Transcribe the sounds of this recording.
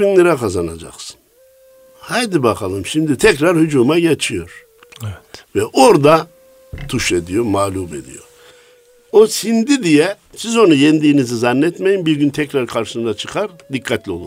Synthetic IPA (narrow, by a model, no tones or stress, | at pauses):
inlʲɛɾɛkʰazana̰d͡ʒa̰qsɯ̥n | hajd̪ibakʰalˠɯmʃimd̪it̪ʰɛcɾaɾhyd͡ʒuːmajet͡ʃʰijo̞ɾ̥ | ɛɛvɛʔoɾd̪a | t̪ʰuʃed̪ijo̞maːlʲuːbe̞̰d̪ḭjo̰ | osind̪id̪ijɛ | sizo̞nujɛnd̪iːnizizanːɛt̪mejimbiɾɟynt̪ʰɛcɾaɾkʰaɾʃɯ̥sɯnd̪at͡ʃʰɯ̥kʰaɾd̪ikʰːat̪lʲio̞lˠu